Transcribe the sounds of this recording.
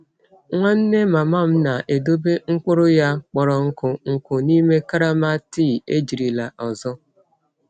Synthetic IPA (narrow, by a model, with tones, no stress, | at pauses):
ŋʷa˦n̩˦ne˦ma˨ma˦˨m̩˦na˨ʔe˨do˦be˦ŋ̩˦k͡pʊ˦ɾʊ˦ja˦k͡pɔ˨ɾɔ˨ŋ̩˦kʊ˨ŋ̩˨kʊ˨ni˦me˦ka˦ɾa˦ma˦ti˦˨e˦d͡ʒi˨ɾi˨la˨ʔɔ˨zɔ˦